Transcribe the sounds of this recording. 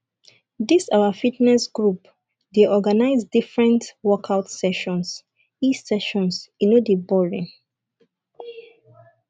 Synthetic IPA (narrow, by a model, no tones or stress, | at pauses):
disawafitnɛsɡɹup | deʔɔɡanaɪzdifɹɛ̃ntwɔkʰaʊtsɛʃɔ̃ns | isɛʃɔ̃nsĩnodibɔɹĩŋ